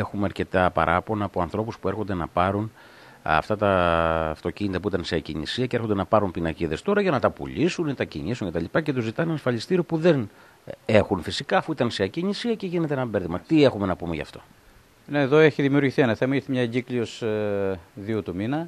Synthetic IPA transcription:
e̞xumeɐɾce̞t̪ɐpɐ̰ɾʔɐpo̞nɐːpo̞ɐnθɾo̞puspue̞ɾxo̞nd̪e̞nɐ̰pɐɾun | ɐ̰ft̪ɐt̪ɐft̪o̞ciɲit̪ɐpuit̪ɐnse̞ɐciɲḭsiɐceeɾxod̪e̞nɐpɐɾumpinɐciðe̞st̪o̞ɾɐʝɐnɐt̪ɐpṵʎisunit̪ɐcḭɲisuɲce̞t̪ɐlipɐce̞t̪uzit̪ɐenenɐsfɐʎist̪iɾio̞puðe̞n | e̞xunfisikɐːfuit̪ɐnseɐciɲisiɐce̞ʝine̞t̪eenɐbe̞ɾðimɐt̪ie̞xume̞nɐpumeʝɐ̰ft̪o̞ | neːðo̞eçiðimiuɾʝiθienɐθemɐiɾθemɲɐeɲɟiklios | ðiut̪uminɐ

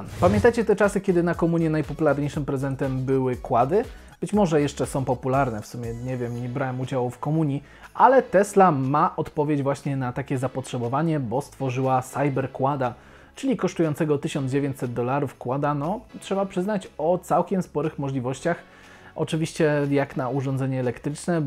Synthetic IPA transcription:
pamʲjɛnt̪ajt͡ɕɛt̪ɛt͡ʂasɘkʲɛd̪ɘnakɔmuɲjɛnajpɔpulaɾɲejʂɘmpɾɛzɛnt̪ɛmbɘwɘkwad̪ɘ | b̥ɘt͡ɕmɔʐɛjɛʂt͡ʂɛsɔ̃w̃pɔpulaɾnɛfsumʲjɛɲɛvʲjɛmɲɛbɾawɛmud͡ʑawufkɔmuɲi | ʔalɛt̪ɛslamaʔɔt̪pɔvʲjed͡ʑvwaɕɲɛnat̪akʲɛzapɔtʂɛbɔvaɲɛbɔst̪fɔʐɘwasajbɛɾkwad̪a | t͡ʂɘlʲikɔʂt̪ujɔ̃ntsɛɡɔt̪ɘɕɔnd̪d͡ʑevʲjeɲt͡ɕʲsɛd̪̚d̪ɔlaɾufkwad̪anɔtʂɛbapʂɘznat͡ɕɔt̪sawkʲɛmspɔɾɘxmɔʐlʲivɔɕt͡ɕax | ʔɔ̰t͡ʂɘvʲiɕt͡ɕɛjaknauʐɔnzɛɲɛːlɛkt̪ɾɘt͡ʂnɛ

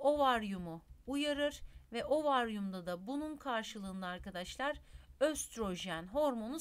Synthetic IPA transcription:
o̞vaɾjumuːjaɾɯɾvɛʔo̞vaɾjumd̪ad̪abununkʰaɾʃɯlˠɯːnd̪aːɾkad̪aʃlˠaɾøst̪ɾo̞ʒiænɦo̞ɾmo̞nu

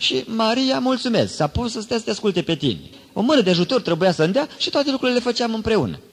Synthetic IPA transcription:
ʃimaɾiamult̪sume̞sksapusəst̪ajsə̥t̪easkult̪e̞pe̞t̪ḭnḛ | o̞̰mɨnəd̪eaʒut̪o̞rt̪ɾe̞bujasəɨnd̪eaʃi̥t̪oat̪e̞lukɾuilelefət͡ʃeamɨmpɾe̞unə̰

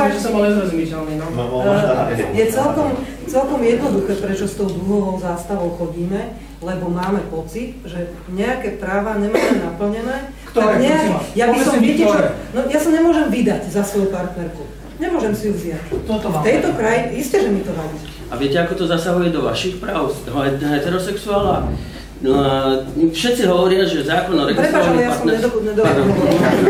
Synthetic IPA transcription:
sbɔɛzɛzmisɛlniɔ | jɛt͡sɛlkɔm | t͡sɛlkɔmjɛd̪nɔd̪uxɛːpɾɛt͡ʃɔst̪ɔʊd̪luɦɔɦɔʊzaːst̪aʋɔʊxɔɟiːmɛ | lɛbɔmaːmɛpɔt͡sit̪ʒɛ | ɲɛakɛːpɾaːʋaɲɛmaːmɛnapl̩ɲɛnɛː | kt̪aɾɡɲɛajabisɔmiɛɛnɔjasaɲɛmʊɔʒɛmʋid̪aɟzasʋɔjupaɾt̪nɛɾku | ɲɛmʊɔʒɛmsijuvzɪac̪ft̪ɛjt̪ɔkɾajiscɛʒɛmit̪ɔʋai | aʋɪɛcɛakɔt̪ɔzasaɦujɛd̪ɔʋa̰ʃixpɾaːʊsɦɛɦɛt̪ɛɾɔsɛksuaːla | fʃɛt̪t͡siɦɔʋɔɾɪaʒɛzaːklɔnaɾɛpɾɛpaːʃalɛjasɔmɲɛd̪ɔuɲɛd̪ɔɔɔkɔa

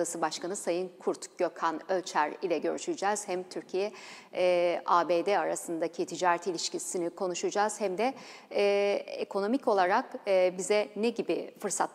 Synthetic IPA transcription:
asɯbaʃkanɯsajɯnkʰuɾt̪ɟ̥ø̞kʰanøt͡ʃʰæɾilʲɛɟø̞ɾyʃyd͡ʒɛːz̥hæmt̪ʰyɾcʰijɛ | ʔaːbeːd̪ɛaɾasɯnd̪acʰit̪ʰid͡ʒaːɾɛt̪ilʲiʃcisinikʰo̞nuʃud͡ʒaːz̥hæmd̪ɛ | ḛkʰo̞no̞micʰo̞lˠaɾakːbizɛneɟibifɯɾsat̪

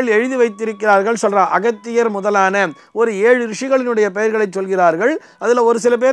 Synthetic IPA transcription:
ɭɛɻɯðɯʋɐɪt̪ːɪɾɯkːɪraːɾɣɐɭsɔlraːʔɐɣɐt̪ːɪjɐɾmʊðɐlaːnɐ | ɔɾɯeːɻɯɾɪʂɪɣɐɭɪnɯɽɐjɐpɛjɐɾɣɐɭɐɪt͡ʃsɔlɣɪraːɾɣɐɭ | ɐðɪlɐɔɾɯs̬ɪlɐp̬eː

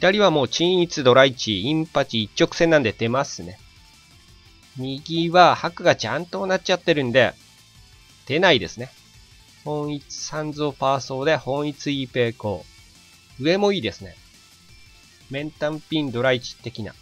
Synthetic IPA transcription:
ɸi̥t̪aɾʲiβamo̞ːt͡ɕĩɰ̃it͡sɨd̪o̞ɾait͡ɕiĩmpat͡ɕiːt͡ɕt͡ɕːo̞kɯ̥sẽ̞nːãnd̪e̞t̪e̞masɨne̞ | mʲiɡʲiβahakɯ̟ɡat͡ɕãnt̪o̞nat͡ɕat̪ːe̞ɾɯ̟̃nd̪e̞̰ | d̪̥e̞naid̪e̞sɨne̞ | hõ̞ɰ̃it͡sɨ̥sãnd͡zo̞ːpaːso̞ːd̪e̞hõ̞ɰ̃it͡sɨipe̞ːko̞ː | ɯ̟e̞mo̞iːd̪e̞sɨne̞̰ | mẽ̞nt̪ãmpʲĩnd̪o̞ɾait͡ɕi̥t̪ːe̞kʲina̰

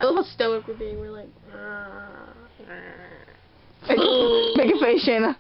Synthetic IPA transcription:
ʔəlɪɾl̩ˠstoʊɨkwɨd̚biwɪɹlaɪk | meɪkəmeɪkɨfeɪʃẽnə

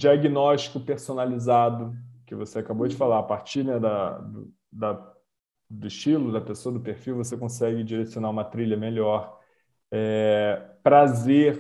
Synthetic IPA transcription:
d͡ʒiaɡinɔʃt͡ʃi̥kʊpeɾsonalizad̪ʊkɪvoseakabowd͡ʒɪfalapaɾt͡ʃiɾnɛd̪ɐd̪ʊ̰ | d̪ɐ | d̪ʊiʃt͡ʃilʊd̪ɐpesoɐd̪ʊpeɾfiwvosekõsɛɡɪd͡ʒiɾesionaɾũmɐt̪ɾiʎɐmeʎɔɾ | ɛ | pɾazeɾ

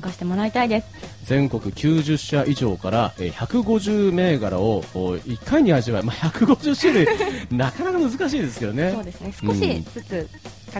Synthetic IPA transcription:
kaɕi̥t̪emo̞ɾait̪aid̪e̞sɨ̥ | d͡zẽ̞ŋko̞kɯ̟kʲʰɨːʑɨɕːaʔiʑo̞ːkaɾaeçakɯ̟ɡo̞ʑɨːme̞ːɡaɾa̰o̞oːikːaiɲ̟ihaʑimaimaːçakɯ̟ɡo̞ʑɨɕad̪enakanakamɯzɨkaɕ̬iːd̪e̞sɨ̥ked̪o̞ne̞oːd̪esɨnesɨ̥kõɕisɨt͡sɨ | ka

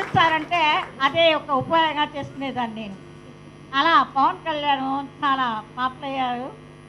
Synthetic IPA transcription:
it͡ʃːaːɾɐɳʈeːɐd̪eːɔkɐupɐjoɡ̪ɐŋɡaːt͡ʃe̞ːst̪uneːd̪aːnineːnu | ɐlaːpɐʋɐnkɐljaːnot͡ʃaːlaːpaːplɐjːaːɾu

